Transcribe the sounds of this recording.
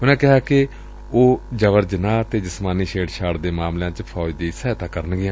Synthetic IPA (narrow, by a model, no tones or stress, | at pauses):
ɦʊnãːkɪɦaːkɪ | oːd͡ʒəʋəɾd͡ʒənãːt̪eːd͡ʒɪsmaːniːʃeːɖʃaːɽd̪eːmaːmljãːt͡ʃpʰɔːd̪iːsɛːt̪ãːkəɾənɡɪãː